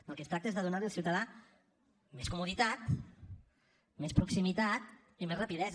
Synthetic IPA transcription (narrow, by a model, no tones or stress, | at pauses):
əlˠkest̪ɾak̚t̪eezðəðunaðəlsiwt̪aða | meskumuðit̪at̪ | mespɾuksimit̪at̪ | imezrapiðɛz